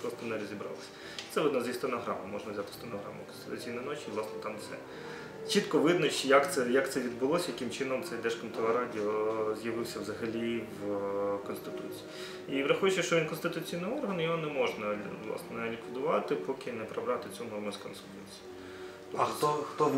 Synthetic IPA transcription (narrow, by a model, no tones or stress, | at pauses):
pɾɔst̪ɔnɛɾɔzʲibɾɑ̰lˠɪsʲɐ̥ | t̪ɛʋɔd̪nɔzʲist̪ɔnɐɦɾɑ̰mɐmɔʒnɐwzʲat̪ɪ̥st̪ɔnɐɦɾɑ̰mʊ̰kɔnst̪ɪ̥t̪ʊt͡sʲijnɐnɔt͡ʃiʋlˠɑsnɛt̪ɑmsɛ̰ | t͡ʃit̪kɔʋɪd̪nɔt͡ʃjɐkt̪sɛjɐkt̪sɛʋʲid̪̚bʊlˠɔsʲɐjɐkɪmt͡ʃɪnɔmt̪sɛjd̪ɛʃkɔmt̪ɔlˠɐɾɑdʲiɔzʲjɐʋɪwsʲɐwzɐɦɐlʲiʋkɔnst̪ɪt̪ut͡sʲi̥ji | iʋɾɐxujʊt͡ʃːɛʃt͡ʃɔʋʲinkɔnst̪ɪt̪ʊt͡sʲijnɪɔrɦɐnjɔɦɔnɛmɔʒnɐʋlˠɑ̰snɛnɛɐnʲikʋʲid̪ʊʋɑt̪ɪpɔkɪnɛpɾɐbɾʲɑt̪ɪt͡sʲunɔrmʊskɔnst̪ɪt̪ut͡sʲi̥jʊ | t̪ɔt̪ɔxt̪ɔ